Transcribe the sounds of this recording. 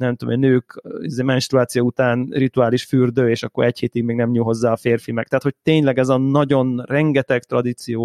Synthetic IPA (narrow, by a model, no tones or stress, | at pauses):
nɛmt̪omɛnøːkizeːmɛnʃt̪ɾuaːt̪sijout̪aːnrit̪uaːliʃfyrd̪øːeːʃɒkːo̞̰ɾɛcheːt̪iɡmeːɡnɛmɲulɦo̞zːaːɒfeːrfimɛkt̪ɛɦaːt̪ho̞c̚t̪eːɲlɛɡɛzɒːɒɟo̞nrɛŋɡɛt̪ɛkt̪ɾrɒd̪it̪sijoː